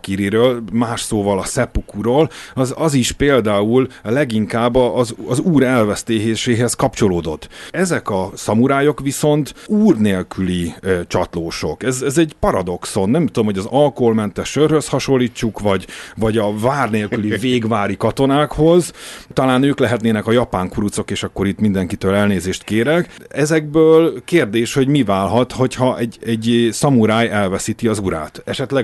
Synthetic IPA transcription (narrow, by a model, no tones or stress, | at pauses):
kiɾiɾøːlmaːʃsoːvɒlɒsɛpːukuɾoːlɒzɒziʃpeːld̪aːullɛɡiŋkaːbːɒzɒzuːɾɛlvɛst̪eːɦeːʃeːɦɛskɒpt͡ʃo̞loːd̪o̞t̪ːɛzɛkɒsɒmuɾaːjo̞kʋiso̞nt̪uːrneːlkʰylit͡ʃɒt̪loːʃo̞kɛzɛzɛɟpɒɾɒd̪o̞kso̞nnɛmt̪ud̪omhoɟɒzɒlko̞ɦo̞lmɛnt̪ɛʃørhøshɒʃo̞lːiːt͡ʃːukʋɒɟvɒɟɒvaːrneːlkyliveːɡvaːɾikɒt̪onaːkho̞zt̪ɒlaːnøːklɛɦɛt̪neːnɛkɒjɒpaːŋkuɾut̪so̞keːʃɒkːo̞ɾit̪mind̪ɛŋkit̪øːlɛlneːzeːʃt̪keːɾɛk | ɛzɛɡbøːlkeːrd̪eːʃho̞ɟmivaːlɦɒt̪ho̞chɒʔɛɟɛɟsɒmuɾaːjɛlvɛsiːt̪iɒzuɾa̰ːt̪ɛʃɛt̪lɛ